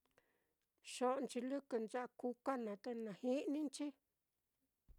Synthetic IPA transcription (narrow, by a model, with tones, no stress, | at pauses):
ʃo˦ʔnt͡ʃi˧lɨ˦kɨ˧˨nt͡ʃa˦ʔa˧ku˧ka˦nã˨t̪a˧nã˨hi˦nĩ˦nt͡ʃi˦